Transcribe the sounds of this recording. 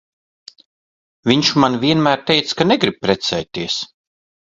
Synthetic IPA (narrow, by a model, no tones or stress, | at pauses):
vʲiɲt͡ʃmanvʲiɛnmæːɾt̪ɛjt̪skanɛɡɾib̚pɾɛt̪sɛːjt̪ːiɛs